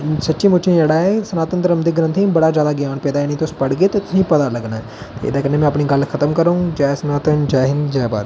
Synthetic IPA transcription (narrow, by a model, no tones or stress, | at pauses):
sətːʃĩːmʊt͡ʃʰẽɛɽaːɛsənaːt̪ənt̪əɾəmd̪iɡɾə̃nt̪ʰĩbəɽaːzjaːd̪aːɡjaːnpɛːd̪aːjeːnĩːt̪ospəɽɡeːt̪et̪ʊsĩːpəd̪aːləɡnaːɛ | t̪ḛɪ̰d̪aːkənẽmɛ̃ːəpniːɡəlkʰət̪əmkəɾaũːd͡ʒaːsənaːt̪ənd͡ʒaːɦɪnd͡ʒɛːba̰ːɾ